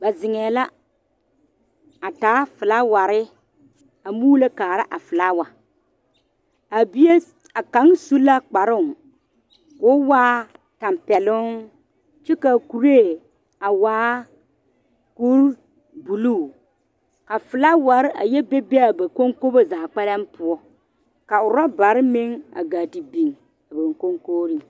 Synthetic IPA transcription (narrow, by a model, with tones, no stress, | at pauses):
ba˨zɪ˨ŋɛː˨la˦ | a˨taː˨˦fɪ˨la˦wa˨ɾɪ˦ | a˨muː˦le˦kaː˨ɾa˦ʔa˨fɨ˨la˦wa˨ | a˨bi˦e˦ | a˨ka˨˦ŋsu˦la˦k͡pa˨ɾʊ˦˨ŋ | kʊ˨˦waː˦ | ta˨mpɛ˨lʊ˦ŋ | t͡ʃi˦ka˨ku˨ɾe˦˨ | a˨waː˨˦ | ku˦ɾ | bu˨lu˦˨ | ka˨fɨ˨la˦wa˨ɾɪ˦ʔa̰˨jɛ˦be˦be˦a˨ba˨ko˦ŋko˦bo˦zaː˨k͡pɛ˦la˦mpʊ˦ɔ˦ | ka˨ʊ˨ɾa˦ba˨ɾɪ˦me˦ŋa̰˨ɡa˨ti˨bi˨ŋ | a˨ba˨ŋko˦ŋkoː˦ɾi˨